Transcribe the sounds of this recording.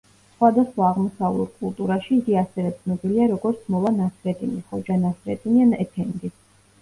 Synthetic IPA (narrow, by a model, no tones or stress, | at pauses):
sχwad̪asχwaːʁmɔsavlɛ̰ɾkʼulˠt̪ʼuɾaʃiːɡiasɛvɛt̪sʰnɔbiliaɾɔɡɔɾt̪sʰmɔvanasɾɛt̪ʼiniχɔd͡ʒanasɾɛ̰t̪ʼinianɛt̪ʰɛnd̪i